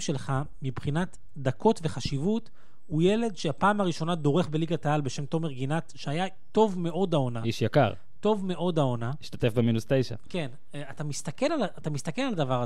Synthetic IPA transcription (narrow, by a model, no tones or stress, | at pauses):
ʃelχa | mibχinat̪ | d̪ako̞tve̞χaʃivut | huje̞le̞dʃeapaːmaʁiʃo̞nad̪o̞ʁe̞χbe̞liɡat̪aalbe̞ʃe̞mt̪o̞meʁɡinat̪ʃeaja | to̞vme̞ʔo̞dao̞naiʃjaka̰ʁ | t̪o̞vme̞ʔo̞d̪ao̞naiʃt̪at̪e̞fbeminust̪ejʃa̰ke̞n | at̪amistake̞lalaat̪amist̪akelalad̪avaʁa